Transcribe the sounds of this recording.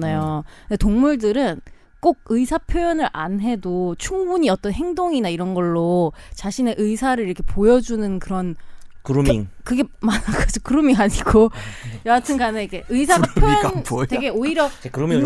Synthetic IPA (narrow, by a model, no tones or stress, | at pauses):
najondetoŋmuɭdɯɾɯn | k͈oɡ̚ɯisʰapʰjojʌnɯɾʔa̰nɦe̞dot͡ɕʰuŋbuɲiʌt͈ʌnɦe̞ŋdoŋinaiɾʌnɡʌɭːot͡ɕaɕʰine̞ʔɯisʰaɾɯɭiɾʌkʰe̞pojʌd͡ʑunɯnkɯɾʌnkɯɾumiŋkɯɡe̞manakʰad͡ʑokɯɾumiŋɦaɲiɡojʌatʰɯnɡaneike̞ʔɯisʰaɡapjojʌnte̞ɡe̞oiɾjʌekɯɾumi